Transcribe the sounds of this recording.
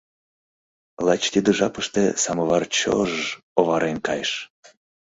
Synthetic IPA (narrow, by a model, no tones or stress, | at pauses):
lˠɑt͡ɕt̪ʲid̪əʒɑpəʃt̪esɑmɤvɑrt͡ɕo̰ʒ | oβɑɾenkɑjʃ